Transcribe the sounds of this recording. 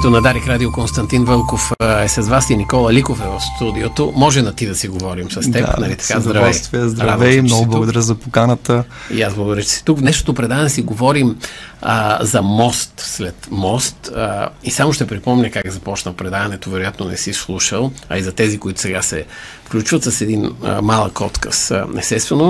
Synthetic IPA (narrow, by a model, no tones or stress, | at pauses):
kt̪onɐd̪aɾɛkɾad̪iokonst̪ɐnt̪invəlˠkofɛsɐzvasinikɔlˠɐlikofɛvɐfst̪ud̪iot̪omɔʒɛnɐt̪id̪ɐsiɡovɔɾimsɐst̪ɛpnɐlit̪ɐ̥kazd̪ɾɐvɛst̪vɛəzd̪ɾɐavɛmnɔɡʊblˠɡʊd̪ɐɾʲəzɐpokanət̪əiasblˠəɡod̪ɾjət͡ʃɛ̥sɛ̥t̪uknɛʃt̪ot̪opɾɛd̪avɐnɛsiɡovɔɾiməzɐmɔst̪slɛt̪mɔst̪əisamoʃt̪ɛpɾipɔmɲʲəkakɛzɐpɔt͡ʃnəlˠpɾɛd̪avɐnɛt̪ovɛɾojat̪nonɛ̰sislˠuʃəlˠɐ̰izɐt̪ɛzikoit̪ʊ̥sɛɡasɛ̰ | fklʲut͡ʃvɐt̪səsɛd̪in̰malˠəkɔt̪kə̰sɛ̰st̪ɛst̪vɛno